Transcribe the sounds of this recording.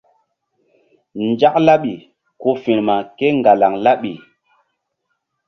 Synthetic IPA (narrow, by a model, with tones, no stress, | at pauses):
nd͡ʒa˦k̚la˦ɓi˨ | ko˦fi˨nma˨ke˦ŋɡa˨la˨ŋla˦ɓi˨